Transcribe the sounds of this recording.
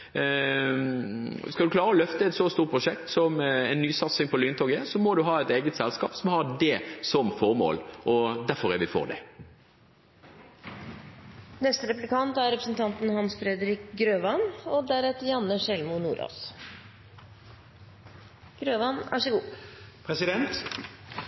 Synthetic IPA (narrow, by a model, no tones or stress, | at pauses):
skɑld̪ʉkʰlɑːɾəɔlœft̪əɛt̪sɔst̪uːɾ̚pʰɾʊʂɛk̚t̪sɔmɛɪnːyːsɑt̪sɪŋpʰɔlyːnt̪ɔɡəsɔmɔd̪ʉɦɑːɛt̪eːɡət̪sɛlskɑːpsɔmhɑdɛsɔmfɔɾmo̰ːlʔɔd̪æɾfɔɾæʋɪfo̰ːʁd̪ɛ̰ | nɛst̪əɾɛplɪkʰɑnt̪æɾɾɛpɾəsn̩t̪ʰɑnt̪n̩hɑnsfɾɛd̪əɾɪkɡɾøːʋɑnɔd̪æɾɛt̪əjɑnːəʂɛlmʊnṵːɾɑ̰ːs | ɡ̥ɾøːʋɑnæ̰ʂɛɡuːpʰɾɛsɪd̪ɛnt̪